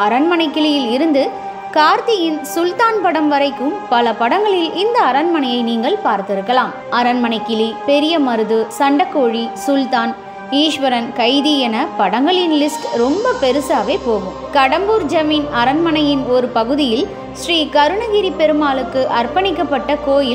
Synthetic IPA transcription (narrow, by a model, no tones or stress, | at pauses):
ɐɾɐnmɐnɐɪkːɪɭɪjɪlɪɾɯnd̪ɯ | kaːɾt̪ɪjɪnsʊlt̪aːnpɐɽɐmʋɐɾɐɪkːɯmpɐlɐpɐɽɐŋɡɐɭɪlɪnd̪ɐːɾɐnmɐnɐjɐɪniːŋɡɐɭpaːɾt̪ɪɾɯkːɐlaːm | ɐɾɐnmɐnɐɪkːɪlipɛɾɪjɐmɐɾɯðɯsɐɳɖɐkːoːɻisʊlt̪aːn | iːʂʋɐɾɐnkɐɪðiɛnɐpɐɽɐŋɡɐɭɪnlɪskɾɔmbɐpɛɾɯsaːʋeːpoːɣɯmkɐɽɐmbuɾd͡ʒɐmiːnɐɾɐnmɐnɐjɪnɔɾɯpɐɣɯðɪjɪl | ʃriːkɐɾɯɳɐɣɪɾipɛɾɯmaːlɯkːɯʔɐɾpɐnɪkːɐpːɐʈːɐkoːjɪ